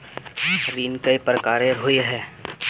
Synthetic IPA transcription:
ɦəɾiːnkəipɾəkaːɾẽɦʊiɦɛː

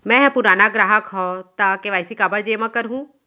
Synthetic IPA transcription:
mɛ̃pʊɾaːnaɡɾaːɦəkɦɔt̪akeʋaːisikaːbəɽd͡ʒeːmãkəɾɦũː

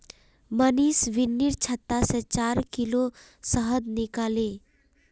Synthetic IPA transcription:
məniːsʋɪnːiɾt͡ʃʰət̪ːaset͡ʃaːɾkilo | səɦəd̪nɪkaːleː

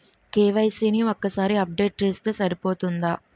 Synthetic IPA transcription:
keːʋɐjsiːniokːɐsaːɾiɐp̚ɖe̞ːʈ̚t͡ʃe̞ːst̪e̞ːsɐɾipo̞ːt̪und̪aː

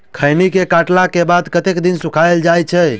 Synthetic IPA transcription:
kʰəjnikekaʈlakebad̪kət̪ekd̪insukʰaeld͡ʒajt͡ʃʰɛ

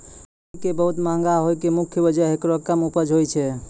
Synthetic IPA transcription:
kebəɦut̪mãŋɡaɦojkemukʰjəbəd͡ʒəɦekɾokəmupəd͡ʒɦojt͡ʃʰɛ

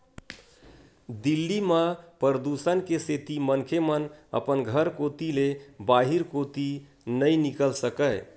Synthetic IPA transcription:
d̪ilːiməpəɾəd̪usənkeset̪imənkʰemənə̰pənɡʱəɾkot̪ilebaɦiɾkot̪i | nəjnikəlsəkəɪ

